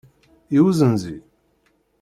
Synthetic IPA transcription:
iwzənzḭ

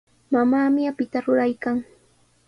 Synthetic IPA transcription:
mamaːmɪapɪt̪aɾʊɾajkaŋ

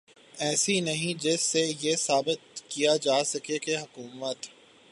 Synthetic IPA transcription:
ɛːsinɐɦĩd͡ʒɪsːejesaːbɪt̪̚kijad͡ʒaːsɐkekeɦʊkuːmət̪

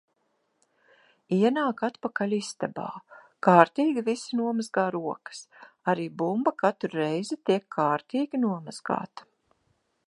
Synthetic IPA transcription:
iɛnaːkat̪pakalʲist̪aba̰ː | kaːɾt̪iːɡʲivisinuɔmazɡaːɾuɔkɨ̥s | aɾiːbumbɐkat̪ɾuɾɛjzit̪iɛkʰːaːɾt̪iːɡʲinuɔmaz̥ɡa̰ːt̪ḁ

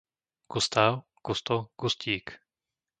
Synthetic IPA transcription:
ɡ̥ust̪aw | ɡ̥ust̪ɔɡ̥uscʰiːk

